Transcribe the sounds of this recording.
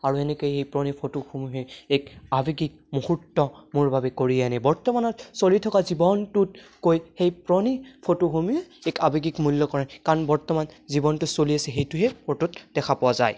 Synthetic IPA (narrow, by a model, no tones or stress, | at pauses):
aɹuɛnɛkojxejpɹɔnipʰotoxumuɦɛɛkabiɡik̚mohutːɔmʊɹbʱabɛkoɹijanɛbɔɹtɔmanɔtsolitʰɔkazibɔntut̚kojxejpɹɔnipʰotoxumiɛɛkabiɡikmulːɔkɔɹankaɹɔnbɔɹtɔmanzibɔntusoliasɛɦejtuɦɛpʰototdɛkʰapɔwazaj